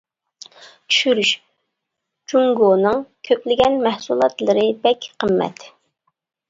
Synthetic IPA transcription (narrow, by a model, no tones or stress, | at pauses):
t͡ʃʰy̥ʃyɾyʃ | d͡ʒuŋɡonɨŋkʲʰøplɪɡʲɛnmɛhsulˠɑt̪lˠəɾɨbɛkʲqʰəmːɛ̰t̪